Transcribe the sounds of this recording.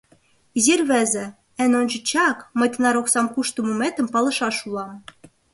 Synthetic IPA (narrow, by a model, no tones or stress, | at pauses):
izirβɘ̆zĕ | ɘ̆nonʲt͡ɕə̆t͡ɕɑkmɤ̆jt̪ɤ̆nɑɾoksɑmkuʃt̪ɤmumet̪ə̆mpɑlɤ̆ʃɑʃulɑm